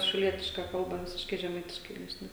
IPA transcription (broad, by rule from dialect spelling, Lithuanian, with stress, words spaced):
ʃʲɛʊˈlʲiɛtʲɪʃkɐ ˈkɐlˠbɐ ˈʋʲɪsʲɪʃkɐɪ ʒʲɛˈmɐɪtʲɪʃkɐɪ ˈnʲæːʃʲnʲɛ